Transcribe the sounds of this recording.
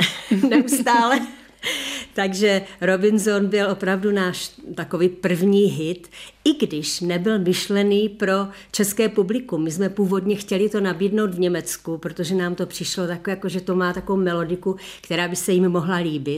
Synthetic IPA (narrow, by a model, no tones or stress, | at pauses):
nɛust̪aːlɛ | t̪aɡʒɛɾo̞bɪnzonbɪlʔo̞pɾavdunaːʃt̪ako̞viːpr̩vɲiːɦɪt̪ʔɪɡdɪʃnɛbɪlmɪʃlɛniːpɾo̞ | t͡ʃɛskɛːpublɪkumɪzmɛpuːvo̞dɲɛxcɛlɪt̪o̞nabiːdno̞wt̪vɲɛmɛt͡skupɾot̪oʒɛnaːmt̪o̞pr̝̥ɪʃlo̞t̪akjakoʒɛt̪o̞maːt̪akovowmɛlo̞dɪkukt̪ɛɾaːbɪsɛjɪmːoɦlaliːbɪ